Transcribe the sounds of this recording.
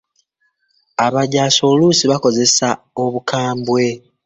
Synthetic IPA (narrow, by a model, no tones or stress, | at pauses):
aβaɟaːso̞lusiβako̞ze̞sa | o̞βukaːmbwe̞